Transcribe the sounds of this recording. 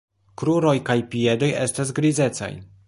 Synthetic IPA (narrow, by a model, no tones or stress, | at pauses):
kɾuɾo̞jkajpie̞do̞je̞̰stas̬ɡɾize̞t͡sa̰j